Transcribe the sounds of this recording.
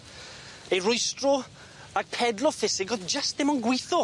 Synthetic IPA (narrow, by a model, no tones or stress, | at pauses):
ejrʊjstrɔ | aɡ̚pʰɛdlˠɔfɪsɪɡɔdd͡ʒəstdɪmɔnɡwɪjθɔ